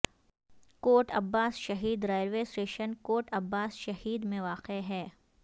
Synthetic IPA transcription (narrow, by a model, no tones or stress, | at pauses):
koːʈɐbːaːsʃɐɦiːd̪ɾaːjəlʋeːsʈeːʃənkoːʈɐbːaːsʃɐhiːd̪mẽʋaːqeɦɛː